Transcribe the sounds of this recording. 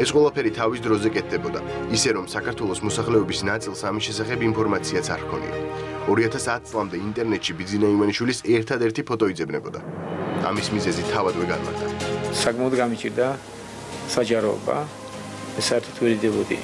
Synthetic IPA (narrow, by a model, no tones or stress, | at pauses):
ɛsqʼwɛlˠapʰɛɾit̪ʰavisd̪ɾɔzɛkʼɛt̪̚ʰd̪ɛbɔd̪a̰ | isɛɾɔmsakʰaɾt̪ʰwɛlˠɔsmɔsaχlɛɔbisnat̪sʼilˠsamisʃɛsaχɛbimpʰɔɾmat̪sʰiat̪sʰaɾkʰɔnḭa̰ɔɾiat̪ʰasat̪̚ʰtsʼlˠamd̪ɛint̪ʼɛɾnɛt̪ʃibid̪zinaivaniʃwilisɛɾt̪ʰad̪ɛɾt̪ʰipʰɔt̪ʼɔid̪zɛbnɛbɔd̪a̰a̰mismizɛzit̪ʰavad̪wɛɡa̰nma̰ɾt̪ʰa̰sakʼmaɔd̪ɡamit͡ʃʼiɾd̪a | sad͡ʒaɾɔɔ̰ba̰ | ɛsaɛɾt̪ʰɔt̪ʰwɛɾd̪id̪ɛbɔd̪ḭ